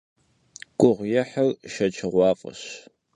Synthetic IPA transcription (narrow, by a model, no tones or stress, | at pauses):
kʷʼʊʁʷjɛħɐrʃɐt͡ʃʰɨʁʷɑːfʼɐ̰ɕ